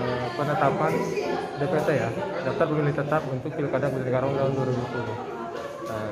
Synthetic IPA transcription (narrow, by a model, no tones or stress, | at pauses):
pənət̪apandepet̪ɛjadaft̪arpəmilɪŋt̪ət̪apunt̪ʊk̚pilkadaŋbud̪anəɡaɾaunt̪aɦʊnduaɾibut̪ulʊh | ə